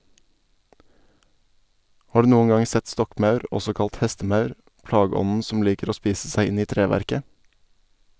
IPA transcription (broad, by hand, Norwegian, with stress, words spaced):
ˈʔhɑː ˈɖʉː ˈnuːən ˈɡɑŋ ˈsɛt ˈstɔkˌmɑʉɾ ˈɔsɔ ˈkɑlt ˈhɛstəˌmɑʉɾ ˈʔplɑːɡəˌɔnn̩ ˈsɔm ˈliːkəɾ ˈoː ˈspiːsə ˈsæɪ ˈɪn ˈiː ˈtɾeːʋæɾkə